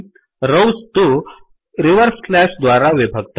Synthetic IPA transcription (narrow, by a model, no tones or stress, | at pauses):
ɾəwst̪u | ɾiʋəɾsklæʂd̪ʋaɾaʋibʱəɡt̪